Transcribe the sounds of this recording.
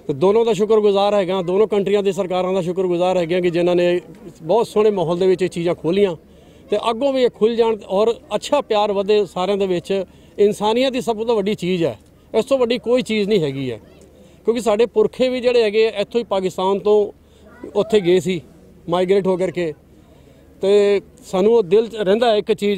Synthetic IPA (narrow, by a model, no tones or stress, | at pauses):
t̪eːd̪oːnõːd̪aːʃ̬ʊkəɾɡʊzaːɾɦɛːɡãːd̪oːnõːkəɳʈɾijãːd̪eiːs̬əɾkaːɾãːd̪aːʃ̬ʊkɾɡʊzaːɾɦɛːɡãːkɪd͡ʒɪnãːneːbɔːt̪sʊɽeːmaːɦɔld̪eːʋɪt͡ʃiːt͡ʃiːzãːkʰoːlijãː | t̪eːʔəɡõːʋiːekʰʊld͡ʒaːɳɔːɾətːʃʰaːpɪjaːɾʋəd̪eːsaːɾeãːd̪eːʋɪt͡ʃ | ɪnsaːnijãːd̪iːs̬əbt̪oːʋəɖiːt͡ʃiːd͡ʒɛ̰ː | ɪst̪õːʋəɖːiːkoːiːt͡ʃiːznĩːɦɛːɡiːɛ̰ː | kjõːkɪsaːɖeːpʊɾkʰeːʋiːd͡ʒeːɽeːɦɛːɡeːɛːɪt̪ʰːõːiːpaːkɪst̪aːnt̪õː | ʊt̪ʰːeːɡeːsiː | maːɪɡɾeːʈɦoːk̬əɾkeː | t̪eː | saːnũːod̪ɪlɾɛ̃ːnd̪aːɛɪkt͡ʃiː